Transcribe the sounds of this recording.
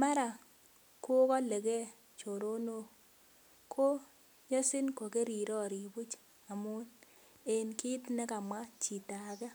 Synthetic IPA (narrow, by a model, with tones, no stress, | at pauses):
ma˦ɾa˨ | kʊ˦kɔ˦le˨ke˦ | t͡ʃo˨ɾo˦no˦ | kʰo˦ | ɲɔ˦sɪ˦nko˨ke˦ɾi˨ɾɔ˦ɾi˨bu˦t͡ʃ | a˨mʊ˦n | e˨nki˦tnɛ˦ka˨mwa˦t͡ʃi˨ta˨kɛ˦